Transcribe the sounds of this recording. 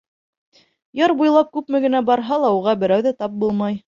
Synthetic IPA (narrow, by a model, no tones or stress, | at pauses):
jɑɾbujlˠɑp̚kʉpmɘ̆ɡɘ̆næbɑɾɦɑlˠɑuʁɑbɘ̆ɾæwðæt̪ɑp̚bulˠmɑj